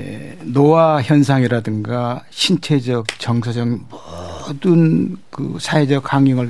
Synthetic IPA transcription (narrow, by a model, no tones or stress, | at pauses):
ḛnowaçjʌnsʰaŋiɾadɯŋɡaɕʰint͡ɕʰe̞d͡ʑʌk̚t͡ɕʌŋs̬ʰʌd͡ʑʌŋmʌdɯnkɯ̰sʰaɦe̞d͡ʑʌk̚haŋiŋɯɭ